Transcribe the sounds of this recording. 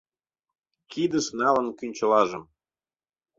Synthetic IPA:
kid̪əʃnɑlə̆nkynʲt͡ɕə̆lɑʒəm

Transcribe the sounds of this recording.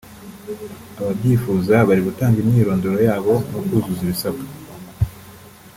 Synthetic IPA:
aβabɟiːfuːzaβaɾiɡutaːŋɡimɲiːɾo̞ːndoɾojaːβo̞nokuzuziβisakḁ

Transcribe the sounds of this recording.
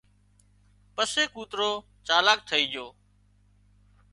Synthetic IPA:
pəseːkuːt̪ɾoː | t͡ʃaːlaːk̚t̪ʰəiːd͡ʒʱoː

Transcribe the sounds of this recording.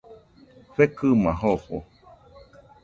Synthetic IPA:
ɸekɨmãɦoho̰

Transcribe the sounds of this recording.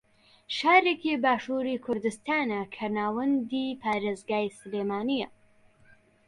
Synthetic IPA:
ʃaːɾeːkibaːʃuːɾikʰʊɾd̪ɨst̪aːnɐkʰɐnaːwɐnd̪iːpʰaːɾeːzɡaːjsleːmaːnijɐ

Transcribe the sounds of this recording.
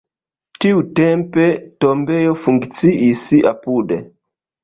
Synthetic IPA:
tiutempe̞tombe̞jofuŋkt͡siʔisiʔa̰pudḛ

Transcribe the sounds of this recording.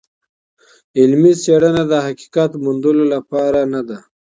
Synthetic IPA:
ɪlmiseɽanad̪əhaki̥kat̪mund̪əlolapɑɾanad̪a

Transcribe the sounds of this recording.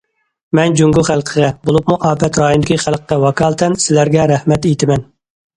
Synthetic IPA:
mɛnd͡ʒuŋɡʊχælˠqʰəʁɛbolˠup̚muʔɑːpɛt̪ɾɑːjund̪ɪkʲʰiχælˠqːɛwɑkʰɑːlˠt̪ʰɛnsɪlæɾɡʲɛɾæhmɛt̪ejt̪ʰɪmɛn

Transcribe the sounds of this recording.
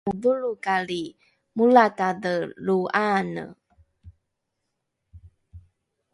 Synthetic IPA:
uduɭukali | mulatadəluʔanə̰

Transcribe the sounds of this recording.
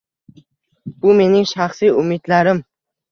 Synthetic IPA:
b̥ʊme̞nɪŋʃaχsijʊmɪd̪laɾɪm

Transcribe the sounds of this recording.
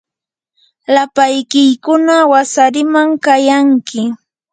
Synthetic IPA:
lapajkɪjkʊnawasaɾɪmaŋkajaŋkɪ

